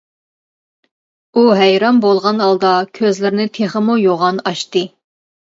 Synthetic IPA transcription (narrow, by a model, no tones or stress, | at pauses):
uɦɛjɾɑmbolˠʁɑnɑlˠd̪ɑkʲʰøzlɪɾnɪt̪ʰeχəmujoʁɑnɑʃt̪ɨ